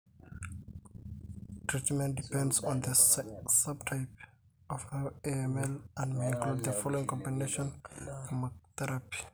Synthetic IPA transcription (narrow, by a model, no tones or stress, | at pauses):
tʰɹitmɛ̃nt̚dipɛ̃ndsɔ̃nd̪əsʌb̚tʰajp | ɔveɛmɛlãnmeĩŋklud̚ðəfɔloĩŋkʰɔ̃mbineʃɔ̃nfɔmaθɛɹapi̥